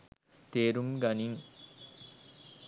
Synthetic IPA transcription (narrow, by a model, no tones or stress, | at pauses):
t̪eːɾumɡaniŋ